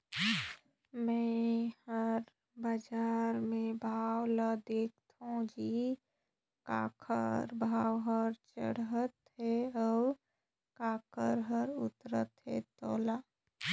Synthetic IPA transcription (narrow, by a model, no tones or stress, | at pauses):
mɛ̃həɾ | bəd͡ʒaːɾmẽbʱaːwlad̪eːk̚ʰt̪õd͡ʒi | ka̰ːkʰəɾbʱaːwɦəɾt͡ʃə̰ɽ̤ɦət̪ɦɛɔː | kaːkʰəɾɦəɾʊ̰t̪ɾə̰t̪ɦɛ̰t̪ɔːlaː